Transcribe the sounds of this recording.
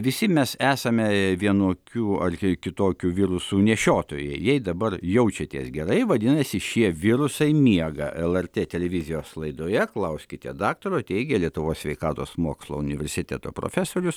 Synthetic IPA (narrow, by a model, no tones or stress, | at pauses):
ʋʲɪsʲɪmʲɛsæːsɐmʲɛʋʲiɛnoːkʲuːɐrkʲɪt̪oːkʲuːʋʲɪɾʊsuːnʲɛʃʲoːt̪oːjɛ̰ɪjɛɪd̪ɐbɐrjɛʊt͡ʃʲɛt̪ʲiɛsɡʲɛɾɐɪʋɐd̪ʲɪnɐsʲɪʃʲiɛʋʲɪɾʊsɐɪmʲiɛɡɐ̰ʔɛlˠɛrt̪ʲeːt̪ʲɛlʲɛʋʲɪzʲɪjoːslˠɐɪd̪oːjɛklˠɐʊsʲkʲɪt̪ʲɛ̰d̪ɑːk̚t̪oːɾoːt̪ʲɛɪɡʲeːlʲiɛt̪ʊʋoːssʋʲɛɪkɑːt̪oːsmoɔkslˠo̰ːʊnʲɪʋʲɛɾʲsʲɪt̪ʲɛt̪o̰ːpɾo̰ːfʲæsoːɾʲʊs